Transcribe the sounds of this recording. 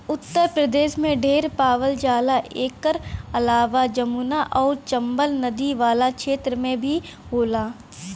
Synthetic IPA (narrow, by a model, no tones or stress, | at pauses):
ʊt̪ːəɾpɾəd̪eːʃmẽɖʱeːɾpaːʋəld͡ʒaːlaʔeːkəɾɐlaːʋad͡ʒɐmuːnaʔɔːɾt͡ʃɐ̃mbəlnɐd̪iʋaːlakʃeːt̪ɾəmẽbʱi | ɦoːlaː